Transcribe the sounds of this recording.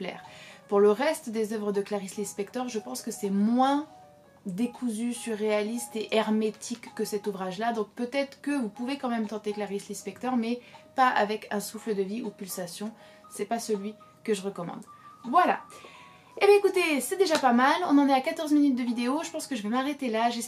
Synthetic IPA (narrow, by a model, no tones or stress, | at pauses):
plɛ̰ːʁpuʁləʁɛst̪d̪ezœvʁəd̪əklaʁislispɛkt̪ɔʁʒəpɑ̃skəsɛmwɛ̃ | d̪ekʰuzysyʁːealist̪eʔɛʁmet̪ʰikːəsɛt̪uvʁaʒlad̪ɔ̃k̚pøt̪ɛt̪χə̥kəvupuvekɑ̃mɛmt̪ɑ̃t̪eklaʁislispɛk̚t̪ɔʁmɛpaa̰vɛkʰɛ̃sufləd̪əviupylsasjɔ̃ | sɛpasəlɥi | kəʒəʁəkɔmɑ̰̃d̪vwala̰ | ebɛ̃ekut̪esɛd̪eʒapamalɔ̰̃nɑ̃nɛakat̪ɔʁzminyt̪̚d̪əvid̪eoʒəpɑ̃skəʒəvɛmaʁet̪elaʒe